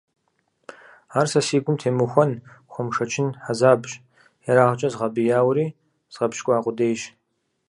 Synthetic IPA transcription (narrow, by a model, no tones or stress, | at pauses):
aːrsɐsiːɡʷʊmtʰeːmɨxʷɔnxʷɔmʂɐt͡ʃʰɪnħazaːbɕʼ | jɛɾaːʁt͡ʃʼɐzʁɐbɨjaːwɾiː | z̥ʁɐpʃkʷʼaːqʷʼʊdeːjɕ